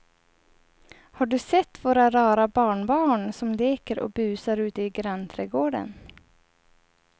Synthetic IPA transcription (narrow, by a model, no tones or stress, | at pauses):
haɖɵsɛt̪ːvoːɾaɾɑːɾabɑːɳbɑːɳsɔmleːkəɾʔɔ̰bʉ̟ːsaɾʉ̟ːt̪əɪɡɾant̪ʰɾɛːɡoːɖə̰n